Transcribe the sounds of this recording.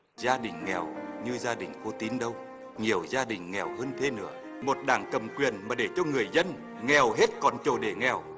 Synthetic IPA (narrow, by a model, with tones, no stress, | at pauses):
zaː˧ɗï˨˩ŋ̟ŋɛ̰˨˩wɲɨ˧zaː˧ɗï˨˩ŋ̟ko˧˦t̪i˨˦nɗə˧w | ŋi˨˩əwzaː˧ɗï˨˩ŋ̟ŋɛ˨˩whəː˧nt̪ʰe˧nɨ̰˧˦ə | mo˨˩t̚ɗaː˧˩ŋkə˨˩mkwi˨˩ənmaː˨˩ɗe˧˩t͡ɕɔ˧ŋɨ˨˩əjzə˧n | ŋɛ˨˩wɦe˦˥t̚kɔ˨˩nt͡ɕo˧˩ɗe˧˩ŋɛ˨˩w